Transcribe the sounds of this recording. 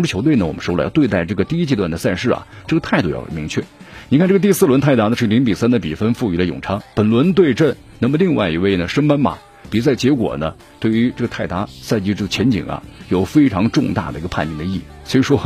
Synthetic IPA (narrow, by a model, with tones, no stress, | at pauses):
ŋʈ͡ʂɻ̩ʰ˥˩o˧˥ʊwe˥˩ɪnə˩wɔ̰˨˩mə˦ʂjɑ˥˧t̪we˥˧ɪt̪a˥˧ɪʈ͡ʂɤ˥˩ɡə˩t̪i˥˧i˥t͡ɕɛ˥˧t̪wa˥˩nd̪ə˩sa˥˧nʂɻ̩˥˩ɐ̰˨˩ʈ͡ʂɤ˥˩ɡə˩t̪ʰa˥˧ɪt̪u˥˩jɑ̰˨˩˨mi˧˥ŋt͡ɕʰɥɛ̰˥˩ni˨˩kʰa˥˧nʈ͡ʂɡət̪i˥˧sɹ̩˥˩lwə˧˥nt̪ʰa˥˩ɪt̪a˧˥nə˧ʂɻ̩˥˩li˧˥ŋpi˨˩sa˥nd̪ə˨˩pi˨˩fə˥nfu˥˧y˧˥lə˧jʊ̰˨˩ŋʈ͡ʂʰɑ˥ŋpə˨˩nlwə˧˥nt̪we˥˧ɪʈ͡ʂə˥˩n | nə˧˥mə˧li˥˧ŋwa˥˧ɪi˧˥we˥˩ɪnə˩ʂə˥ŋpa˥nmɐ̰˨˩ | pi˨˩t͡sa˥˩ɪt͡ɕjɛ˧˥kwɔ̰˨˩nə˦ | t̪we˥˩ɪy˧˥ʈ͡ʂɤ˥˩ɡət̪ʰa˥˩ɪt̪a˧˥sa˥˧nt͡ɕi˥ʈ͡ʂɤ˥˩ɡə˩t͡ɕʰjɛ˧˥nt͡ɕḭ˨˩ŋɐ̰˦jo˨˩ʊfe˥ɪʈ͡ʂʰɑ˧˥ŋʈ͡ʂʊ˥˧ŋt̪a̰˥˩d̪ə˩i˧˥ɡə˧pʰa˥˧nt͡ɕi˥ŋd̪ə˧i˥˩˨swɔ˧˥i˧˩ʂwɔ˥